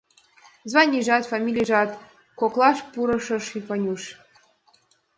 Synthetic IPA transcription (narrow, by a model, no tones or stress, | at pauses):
zvɑnʲiʒɑt̪famʲilʲiʐɑt̪ | koklˠɑʂpuɾɤ̆ʂɤ̆ʂifonʲuʃ